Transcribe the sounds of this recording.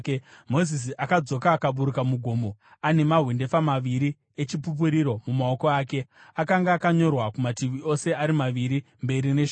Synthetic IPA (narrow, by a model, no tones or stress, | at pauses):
mo̞zis̬iʔakad͡zo̞kaːkaɓuɾukamuɡʱoːmo̞ane̞maɦwende̞famaʋiɾi | et͡ʃipup̬uɾiɾo̞mumao̞ko̞aːke̞akaŋɡaːkaɲo̞rwakumatiʋio̞se̞aɾimaʋiɾi | mbe̞ɾine̞ʃ